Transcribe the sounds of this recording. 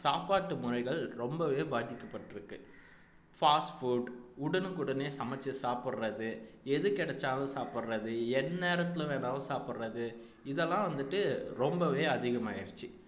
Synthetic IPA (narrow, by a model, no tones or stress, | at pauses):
saːpaːʈːɯmʊɾɐɪɣɐɭɾɔmbɐʋeːbaːðɪkːɐpːɐʈːɪɾɯkːɯ | faːsʈfuːɖʊɽɐnɯkʊɽɐneːsɐmɛt͡ʃːɐsaːpɪɽrɐðɯ | ɛðɯkɪɽɛt͡ʃːaːlɐ̃saːpɯɾɾɐðɯɛnːeːɾɐt̪ːɪlɯ̃ʋeːnaːlʊ̃saːpɯɾrɐðɯ | ɪðɛlːãːʋɐnd̪ɯʈːɯɾɔmbɐʋeːɐðɪɣɐmaːɪɾɯt͡ʃːi